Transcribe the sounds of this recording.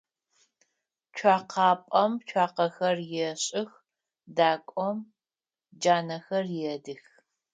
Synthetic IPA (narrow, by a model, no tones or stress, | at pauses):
t͡ʃʷʰaːqʰɑːpʼɐmt͡ʃʷʰaːqɐxɐrjɛɕʼɪx | daːkʷʼɔm | d͡ʒaːnɐxɐrjɛdɨx